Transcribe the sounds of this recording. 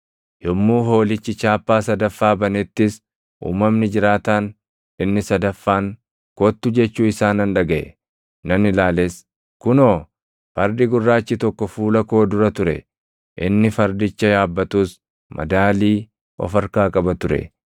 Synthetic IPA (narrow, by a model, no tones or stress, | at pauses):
jɔmːuːɦo̞ːlɪt͡ʃːɪt͡ʃaːpːaːsɐd̪ɐfːaːbɐnɛt̪ːɪs | ʔṵːmːɐmnɪd͡ʒɪɾaːt̪aːn | ɪnːɪsɐd̪ɐfːaːŋ | kɔt̪ːʊd͡ʒɛt͡ʃːuːɪsaːnɐnᶑɐɡɐʔɛ̰ | nɐnɪlaːlɛs | kʊnoː | fɐɾd̪ɪɡʊrːaːt͡ʃːɪt̪ɔkːɔfuːlɐko̞ːd̪ʊɾɐt̪ʊɾɛ̰ | ʔɪnːɪfɐɾd̪ɪt͡ʃːɐjaːbːɐt̪uːs | mʔɐ̰d̪aːliː | ʔɔ̰fɐɾkaːkʼɐbɐt̪ʊɾɛ̰